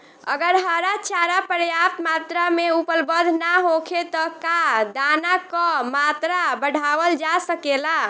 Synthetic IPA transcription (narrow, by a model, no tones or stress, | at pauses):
ə̰ɡəɾɦəɾat͡ʃaɾapəɾjap̚t̪mat̪ɾameupəlbəd̪ʱnaɦokʰet̪ɔkad̪anakɔmat̪ɾabəɽ̤ʱaʋəld͡ʒasəkela